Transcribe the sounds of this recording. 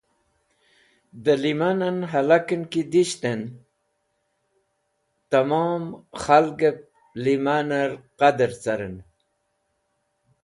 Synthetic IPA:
d̪əlimananɦalakənkid̪iɕt̪en | t̪amomxalɡep̚ | limanaɾqad̪əɾt͡saɾən

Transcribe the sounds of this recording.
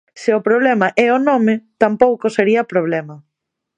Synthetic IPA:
sɪʊpɾoβ̞lɛmɐʔɛʊnɔmɪt̪ampowkʊseɾiɐpɾoβlɛmɐ

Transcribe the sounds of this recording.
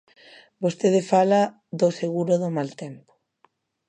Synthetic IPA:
bost̪eðefala | ðoseɣuɾoðomalt̪empo̥

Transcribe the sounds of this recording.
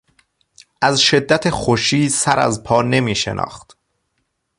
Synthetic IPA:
ʔæzʃe̞d̪ːæt̪ʰexoʃiːsæɾæ̰zpʰɒːne̞miːʃḛnʔɒ̰ːxt̪

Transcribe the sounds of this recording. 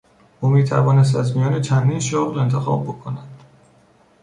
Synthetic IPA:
ʔuːmiːt̪ʰæ̰vɒːnes̬t̪æzmijɒːnet͡ʃʰænd̪iːnʃoːɣle̞nt̪ʰe̞xɒ̰ːb̚bo̞kʰonæd̪̥

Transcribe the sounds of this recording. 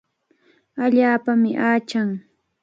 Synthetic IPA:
aʎaːpamɪʔaːt͡ʃaŋ

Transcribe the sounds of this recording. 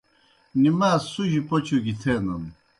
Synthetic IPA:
nimaːsuʑipot͡ɕʰuɡit̪ʰeːnɐn

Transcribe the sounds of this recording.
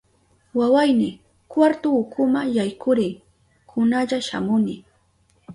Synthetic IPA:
wawajnɪ | kwaɾt̪ʊːkʰʊmajajkʊɾɪŋ | kʰʊnaʎaʃa̰mʊnɪ

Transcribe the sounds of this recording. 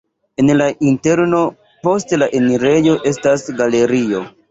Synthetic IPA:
e̞nlaʔinte̞ɾno̞ | po̞stlaʔe̞niɾe̞jo̞ʔe̞stasɡale̞ɾio̞

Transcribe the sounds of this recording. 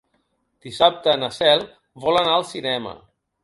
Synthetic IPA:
d̪̥isap̚t̪əːnasɛlˠ | βɔlanaəlˠsinɛmə̰

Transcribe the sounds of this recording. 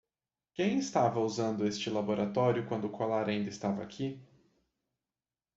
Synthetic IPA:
kẽj̃ɪst̪avɐuzɐ̃nd̪ʊest͡ʃɪlaboɾat̪ɔɾjʊkwɐ̃nd̪ʊkolaɾaĩnd̪ɐɪst̪avɐakʰi

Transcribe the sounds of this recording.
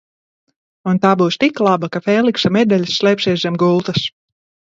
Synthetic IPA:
unt̪aːbuːst̪iklˠabakafɛːlˠiksamɛd̪ɛlʲsːlˠʲɛpʲsʲɛjszɛmɡulˠt̪as

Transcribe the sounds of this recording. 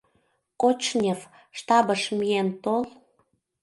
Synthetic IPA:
kot͡ɕnʲef | ʃt̪ɑbəʃmient̪ol

